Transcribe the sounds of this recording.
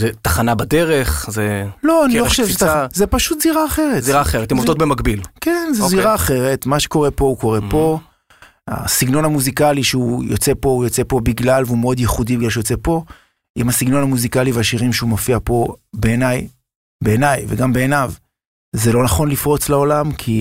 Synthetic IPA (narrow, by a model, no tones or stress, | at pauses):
zet̪aχanabad̪eʁe̞χzelo̞anioχoʃevʃezepaʃut̪ziʁaːχe̞ʁetziʁaːχeʁet̪imovd̪ot̪̚bemakbilkenzelziʁaːχe̞ʁe̞t̪maʃe̥ko̞ʁe̞po̞uko̞ʁepo̞ | a̰siɡno̞nhamuzikaliʃeujot͡se̞po̞ujot͡se̞po̞biɡlalveumeo̞d̪jeχudibiɡlalʃ̬ejot͡sepo̞ | ʔimhasiɡno̞nhamuzikaliveaʃiʁimʃeumofiapo̞be̞ːnaj | beːnajveɡambe̞ːnav | zelo̞naχo̞nlifʁo̞t͡sleo̞lamkʰi